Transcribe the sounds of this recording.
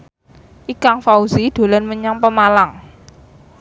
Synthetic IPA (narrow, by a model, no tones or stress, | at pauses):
ʔikaŋfauzid̪̥o̤lanməɲaŋpəmalaŋ